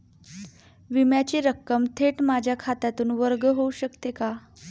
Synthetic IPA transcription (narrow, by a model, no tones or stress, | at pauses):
ʋimjat͡ɕiːɾəkːəmt̪ʰeʈmad͡ʑʱjakʰat̪at̪uːnʋəɾɡəɦouɕəkt̪eka